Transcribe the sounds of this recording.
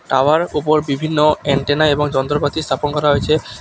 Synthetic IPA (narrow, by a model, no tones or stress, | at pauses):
ʈawaɾupoɾbibʱinːoɛɳʈenaeboŋd͡ʑɔnt̪ɾokat̪ist̪ʰaponkɔɾaɦoet͡ɕʰe